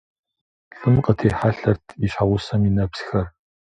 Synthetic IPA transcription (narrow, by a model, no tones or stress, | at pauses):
ɬɨmqʼətʰeːħaɬɐrtʰiɕħawʊsɐminɐpsxɐr